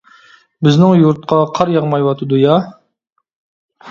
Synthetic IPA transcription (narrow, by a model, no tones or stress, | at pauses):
bɪznɪŋjuɾt̪̚qʰɑqʰɑɾjɑʁmɑjwɑt̪ʰɨd̪ujɑ